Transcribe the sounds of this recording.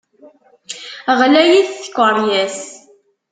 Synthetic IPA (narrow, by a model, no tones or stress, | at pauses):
ʁlæjiθθə̥kʷːəɾˤjæs